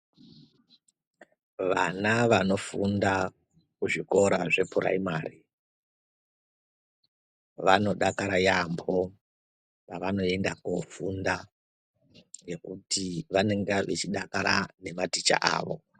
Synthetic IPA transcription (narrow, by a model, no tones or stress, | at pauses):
ʋanaʋano̞funda | kuʐiko̞ɾaʐe̞pʰuɾa̰imaːri | ʋano̞ɗakaɾajambo̞ | raʋano̞e̞ndakufunda | je̞kutʰiʋane̞ŋɡeʋet͡ʃiɗakaɾane̞matit͡ʃa̰ʔa̰ːʋo̞̰